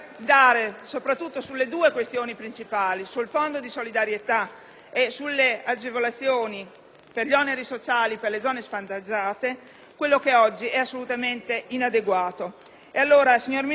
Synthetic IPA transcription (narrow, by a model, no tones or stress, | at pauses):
d̪aːɾesopɾat̪ːut̪ːosulːed̪uːekwest̪joːnipɾint͡ʃipaːlisulfond̪od̪isolid̪aɾjet̪a | esulːead͡ʒevolat̪sːjoːni | perʎiɔneɾisot͡ʃaːliperled̪zɔːnesfant̪ad͡ʒaːt̪e | kwelːokeɔd͡ʒːiʔɛasːolut̪ament̪einad̪eɡwaːt̪o | ealːoːɾasiɲːormi